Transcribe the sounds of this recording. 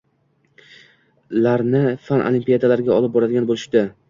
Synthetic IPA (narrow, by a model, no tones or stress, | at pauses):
laɾnɪfanʔo̰limpijad̪alaɾɡʲaɒlˠɪp̚bɒɾad̪ɪɡʲanbolɪʃd̪ɪ